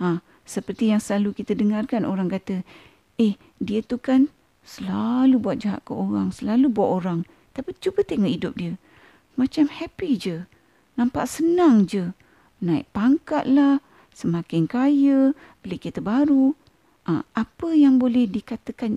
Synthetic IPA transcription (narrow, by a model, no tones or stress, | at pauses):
ã | səpərt̪ijaŋsəlalukit̪ədəŋarkanoɾaŋkat̪ə | eh | diət̪ukan | səlalubuat̪̚d͡ʒaɦa̰ʔkəoɣaŋsəlalubuaʔoɾaŋ | t̪apit͡ʃubət̪əŋɔʔidʊp̚diə | mat͡ʃamhɛpid͡ʒə | nãmpa̰ʔsənaŋd͡ʒə | nãḭʔpaŋkat̪̚lah | səmakɪnkajə | bəlekit̪əbaɾu | ʔa̰apəjaŋbolɛhdikat̪əkan